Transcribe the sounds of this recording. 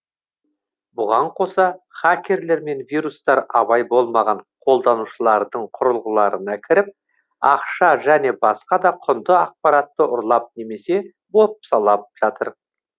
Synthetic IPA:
bʊʁɑɴqʰo̞sɑχakʲe̞ɾle̞ɾme̞nvijɾust̪ɑɾɑβɑjbo̞lˠmɑʁɑɴqʰo̞lˠd̪ɑnuʃəlˠɑɾd̪əɴqʰʊɾəlˠʁəlˠɑɾənɑkʲʰɪɾɪp̚ | ɑqʃɑʒæne̞bɑsqɑd̪ɑqʰʊnd̪əɑq̚pɑɾɑt̪ːəʔʊɾlˠɑp̚ne̞me̞se̞ | bo̞p̚sɑlˠɑp̚ʒ̥ɑt̪əɾ

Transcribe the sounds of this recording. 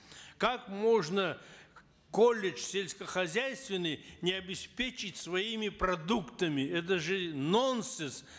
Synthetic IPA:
kakmoʐnə | kolʲɪʂsʲelʲsʲkəxɐzʲæjst̪vʲɪnːɨjnʲɪɐbʲɪspʲet͡ɕɪtʲsvɐimʲɪpɾɐd̪ukt̪əmʲɪɛt̪̬əʐɨnonsɨs

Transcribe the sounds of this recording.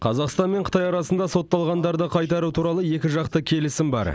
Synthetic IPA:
qʰɑzɑqst̪ɑnme̞ɴqʰət̪ɑjɑɾɑsənd̪ɑso̞t̪ːɑlˠʁɑnd̪ɑɾd̪əqʰɑjt̪ɑɾut̪ʰuɾɑlˠəje̞kʲɪʒɑqt̪əkʲʰe̞lɪsɪmbɑ̰ɾ

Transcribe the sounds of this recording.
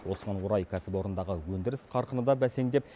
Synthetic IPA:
wo̞səʁɑnwoɾɑjkʲʰæsɪpo̞ɾənd̪ɑʁəwɵnd̪ɪɾɪsqʰɑɾqənəd̪ɑbæse̞ŋd̪e̞p̚

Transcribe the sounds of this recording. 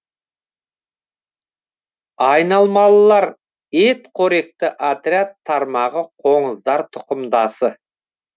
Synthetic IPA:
ɑjnɑlˠmɑlˠːɑɾ | et̪qʰoɾik̚t̪əʔat̪ɾʲiat̪ʰːɑɾmɑʁəqʰoɴəzd̪ɑɾt̪ʰʊ̥qəmd̪ɑsə

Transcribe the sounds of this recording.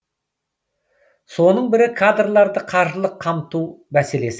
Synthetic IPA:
so̞nəɴbɪɾɪkʰad̪rlˠɑɾd̪əqʰɑɾʒəlˠəqʰːɑmt̪umæse̞le̞sɪ

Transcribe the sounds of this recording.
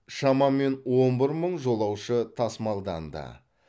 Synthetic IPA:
ʃɑmɑme̞nwo̞nbɪɾməɴʒo̞lˠɑwʃət̪ʰɑsmɑlˠd̪ɑ̰nd̪ə̰

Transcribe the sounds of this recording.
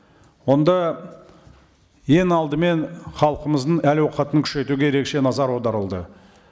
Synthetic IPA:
wo̞nd̪ɑ | je̞ŋɑlˠd̪əme̞nχɑlˠəqəməzd̪əɴælwoqɑt̪əŋkʲʰʏ̥ʃe̞t̪uɡʲeɾe̞kʃe̞nɑzɑɾwo̞d̪ɑɾəlˠd̪ə

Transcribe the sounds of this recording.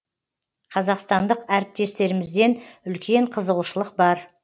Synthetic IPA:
qʰɑzɑqst̪ɑnd̪əqæɾɪp̚t̪e̞st̪e̞ɾɪmɪzd̪e̞nʏlkʲe̞ɴqʰəzəʁuʃəlˠəq̚bɑɾ

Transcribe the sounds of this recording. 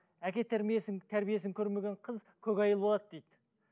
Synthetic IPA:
ækʲe̞t̪ʰæɾmijesɪŋt̪ʰæɾbije̞sɪŋkʲʰɵɾme̞ɡʲe̞ɴqʰəz | kʲʰɵkʲɑjəlˠbo̞lˠɑd̪d̪ejd̪ɪ

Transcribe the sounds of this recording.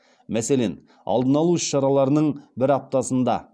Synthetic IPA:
mæsele̞̰n | ɑ̰lˠd̪ənɑlˠuʏʃʃɑɾɑlˠɑɾənəɴbɪɾɑp̚t̪ɑsənd̪ɑ

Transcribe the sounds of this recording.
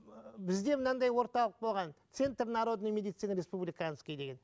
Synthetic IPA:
bɪzd̪e̞mənɑnd̪ɑjwo̞ɾt̪ɑlˠəq̚bo̞lˠʁɑnt̪se̞nt̪rnɑɾod̪ənəɴmʲed̪ijt̪sinɾʲe̞spublʲijkɑəskʲejd̪e̞ɡʲen

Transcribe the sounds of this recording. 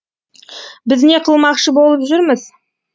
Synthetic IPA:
bɪzne̞qʰəlˠmɑqʃəbo̞lˠəpʒʏɾməz

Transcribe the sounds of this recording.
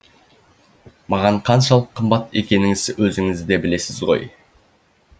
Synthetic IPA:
mɑʁɑɴqʰɑnʃɑlˠəqʰːəmbɑt̪e̞kʲe̞nɪŋɪzwɵzɪŋɪzd̪e̞bɪle̞sɪzʁo̞̰j

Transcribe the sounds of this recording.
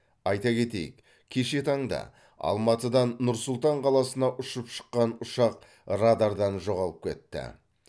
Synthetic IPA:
ɑjt̪ɑkʲʰe̞t̪e̞̰jɪ̰k | kʲʰe̞ʃe̞t̪ʰɑɴd̪ɑ̰ | ɑ̰lˠmɑt̪əd̪ɑnːʊɾsʊlˠt̪ɑɴqʰɑlˠɑsənɑʔʊʃəpʃə̥qːɑnʊʃɑq | rad̪ɑɾd̪ɑnʒo̞ʁɑlˠəp̚kʲʰe̞̰t̪ːɪ̰

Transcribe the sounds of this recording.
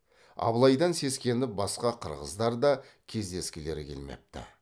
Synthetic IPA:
ɑ̰blˠɑjd̪ɑnse̞skʲe̞nd̪ɪbɑsqɑqʰəɾʁə̰zd̪ɑɾd̪ɑkʲʰe̞zd̪e̞skʲɪle̞ɾɪkʲʰelme̞̰p̚t̪ɪ̰

